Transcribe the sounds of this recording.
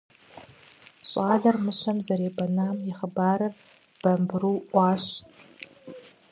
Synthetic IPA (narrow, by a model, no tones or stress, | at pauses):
ɕʷʼaːɮɐrmɨʃɐmzɐɾeːbɐnaːmjɪχəbaːɾɨr | b̥ɐmbruːʔʷɑːɕ